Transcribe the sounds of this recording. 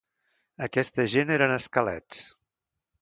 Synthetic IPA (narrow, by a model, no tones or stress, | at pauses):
əkɛst̪əʒeneɾənəskəlɛ̰t͡s